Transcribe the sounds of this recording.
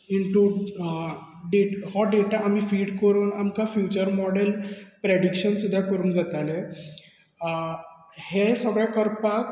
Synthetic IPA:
iɳʈu | ɖeʈhɔɖeʈaamiːfiːɽkəɾuːnamkafjut͡ɕəɾmɔɽelpɾeɽikɕənsud̪ʱːjakəɾuːnd͡zat̪ale | hesəɡɭjakəɾpak

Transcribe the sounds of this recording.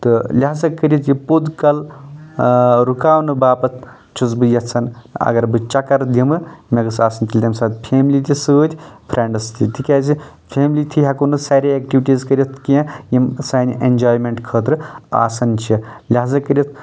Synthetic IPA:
t̪ɨlʲaɦazɐkəɾʲit̪jipud̪kɐl | ɾukaːwnɨbaːpɐt̪ʰ | t͡ʃʰut͡sbɨjɐt͡sʰɐnɐ̰ɡɐɾbɨt͡ʃɐkɐɾd̪imɨmɐɡɐsaːsɐnt̪ʲʰilʲd̪ʲɐmsaːt̪pʰeːmlit̪ʰʲisɨːt̪ʲpʰɾeɳɖɐst̪ʰit̪ikaːzi | pʰeːmlit̪ʰiɦakunɨsaːɾʲeek̚ʈiʋiʈizkɐɾʲit̪ʰkiãjimsaːniʔend͡ʒaːjmeɳʈkʰəːt̪ɾɨa̰ːsɐnt͡ʃʰilʲeɦazɐkəɾʲjit̪̚ʰ

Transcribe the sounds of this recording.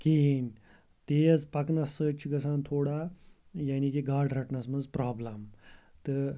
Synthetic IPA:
kin | t̪ed͡zpɐknɐsːəːt͡ʃɡɐsaːnt̪ʰoːɽa | jaːniːkiɡaːɾɖɾɐʈnɐsmɐd͡zpɾaːblɐmt̪ə

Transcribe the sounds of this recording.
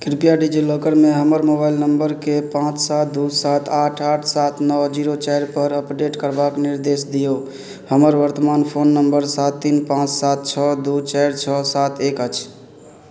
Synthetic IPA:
kɾipijaɖid͡ʒilokəɾmeɦəməɾmobajlnəmbəɾkepãt͡ʃsat̪̚d̪usat̪ʰaʈʰaʈʰsat̪ʰnɔd͡ʒiɾot͡ʃɛjɾpəɾəpɖeʈkəɾbakniɾd̪esd̪ijo | həməɾʋəɾt̪əmanpʰonːəmbəɾsat̪ːinpãt͡ʃsat̪̚t͡ʃʰɔd̪ut͡ʃɛjɾt͡ʃʰɔsat̪ʰekət͡ʃʰ

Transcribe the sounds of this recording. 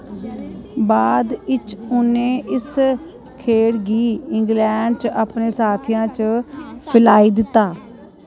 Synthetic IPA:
baːd̪ɪt͡ʃʊnẽːʔɪs | kʰeːɽɡiːɪŋɡlɛːɳɖt͡ʃapneːsaːt̪ʰijãːt͡ʃəpʰɪlaːiːd̪ɪt̪ːaː

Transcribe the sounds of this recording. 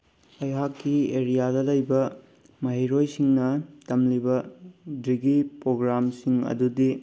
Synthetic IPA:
ɐjɦakːieɾijadɐlɐjbɐ | mɐɦejɾojsiŋnɐtɐmlibɐdɾiɡipɾoɡɾamsiŋɐ̰dudi

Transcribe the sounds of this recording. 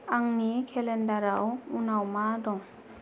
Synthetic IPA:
aŋnikʰɛlɛndaɾawunawmadɔŋ

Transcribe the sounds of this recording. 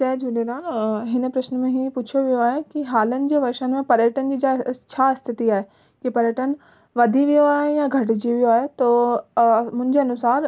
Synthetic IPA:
t͡ɕɛːd͡ʑʱũnẽnaːɦnɦɪnəpɾɐʃnmẽɦiput͡ɕʰoʋijoaːɦekiɦaːlənɪ̆d͡ʑeːʋɐɾʃənɪmẽpɐɾjəʈənd͡ʑiːd͡ʑat͡ɕʰast̪ʰɪt̪iaːɦe | kipɐɾjəʈʰən | ʋɐd̪ʱiʋijoaːɦejãɡʱɐʈd͡ʑiʋijoaːɦet̪oː | mʊ̃ɦɪɲd͡ʑeɐnʊsaːɾ

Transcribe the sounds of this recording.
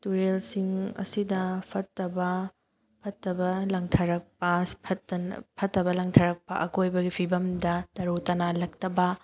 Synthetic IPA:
tuɾelsiŋɐ̰sidɐpʰɐtːɐbɐ | pʰɐtːɐbɐlɐŋtʰɐɾɐk̚pɐpʰɐtɐpʰɐtːɐbɐlɐŋtʰɐɾɐk̚pɐ̰ʔɐkojbɐɡipʰibɐmdɐtɐɾutɐnalɐk̚tɐbɐ

